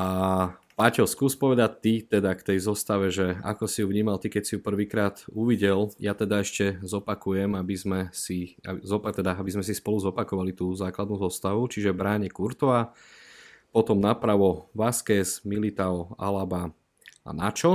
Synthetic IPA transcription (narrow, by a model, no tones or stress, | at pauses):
apacɔskuːspɔʋɛd̪ac̚t̪it̪ɛd̪akt̪ɛjzɔst̪aʋɛʒɛa̰kɔsijuvɲiːmalt̪ikɛcsijupr̩ʋiːkɾaːt̪uʋiɟɛljat̪ɛd̪aɛʃcɛzɔpakujɛmabizmɛsia̰zɔpat̪ɛd̪aabizmɛsispɔluzɔpakɔʋalit̪uːzaːklad̪nuːzɔst̪aʋut͡ʃiʒɛbɾaːɲɛkuɾt̪ɔa | pɔt̪ɔmnapɾaʋɔʋaskɛsmilit̪aɔa̰laba | a̰nat͡ʃɔ